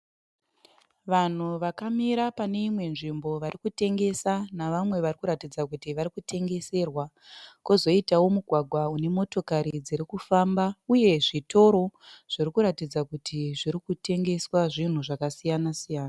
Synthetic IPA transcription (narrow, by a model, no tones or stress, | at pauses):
ʋan̤uʋakamiɾapane̞imwe̞nʐimbo̞ʋaɾikute̞ŋɡe̞sanaʋamwe̞ʋarikuɾatid͡zakutiʋaɾikute̞ŋɡe̞se̞ːrwa | kozo̞itawo̞muɡʱwaɡʱwaune̞mo̞to̞kaɾid͡ziɾikufambauje̞ʐito̞ɾo̞ʐ̥irikuɾatid͡zakutiʐiɾikute̞ŋɡe̞swaʐin̤uʐakasijanasijaːna